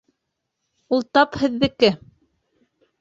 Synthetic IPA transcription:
ulˠt̪ɑphɘ̆ðːɘ̆kɘ

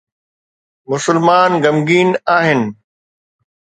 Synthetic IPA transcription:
mʊsʊlmaːnɡɐmɡiːnaːɦɪnɪ̆

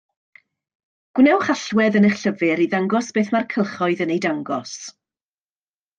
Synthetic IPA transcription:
ɡ̥wnɛwχaɬwɛðəneχɬəvɪɾiðaŋɡɔsb̥eːθmarkʰəlˠχɔɨðənejdaŋɡɔs

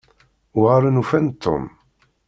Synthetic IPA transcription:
wʁaɾˤənufænt̪ʰːʊ̰m

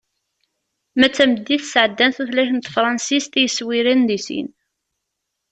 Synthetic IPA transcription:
mæt͡sːæməd̪ːiθsʕəd̪ːænθuθlæʃənt̪fɾˤɑnsist̪jəswiɾinðisḭn

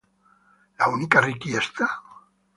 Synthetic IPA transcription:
launikarikiest̪a

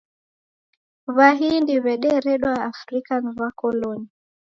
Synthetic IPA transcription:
βaɦindiβɛɗɛɾɛɗwaːfɾikaniβakɔlɔni

